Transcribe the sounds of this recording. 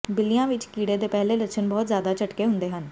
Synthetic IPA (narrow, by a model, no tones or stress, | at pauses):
bɪlijãːʋɪt͡ʃkiːɽed̪epɛɦlelətʃʰənbɔːt̪zjaːd̪at͡ʃəʈkeːɦʊ̃nd̪eːɦən